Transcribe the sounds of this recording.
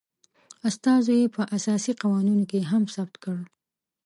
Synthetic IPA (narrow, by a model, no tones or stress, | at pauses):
ast̪ɑzojepəʔasɑsiqawɑninokeɦamsab̚t̪kəɽ